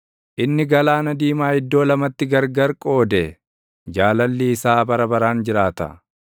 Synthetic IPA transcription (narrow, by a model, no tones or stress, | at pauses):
ʔɪnːɪɡɐlaːnɐd̪iːmaːɪd̪ːo̞ːlɐmɐt̪ːɪɡɐɾɡɐɾkʼo̞ːd̪ɛ | d͡ʒaːlɐlːiːsaːbɐɾɐbɐɾaːnd͡ʒɪɾaːt̪ɐ̰